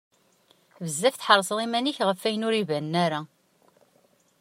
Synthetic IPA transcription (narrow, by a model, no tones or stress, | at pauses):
vəzːæfθħəɾˤsˤðˤimæniçʁəfːæjənʊɾivænːæɾa